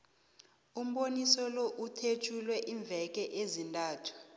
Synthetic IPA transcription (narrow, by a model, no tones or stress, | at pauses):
um̩ɓonisɔlɔʔutʰet͡ʃʰʼulwɛʔiːɱb̪vʱɛk̬ʼɛʔezintʼaːtʰu̥